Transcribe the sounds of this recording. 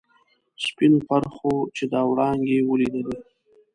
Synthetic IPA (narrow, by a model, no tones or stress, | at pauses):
spinopaɾxot͡ʃed̪ɑwɽɑŋɡewəlid̪əle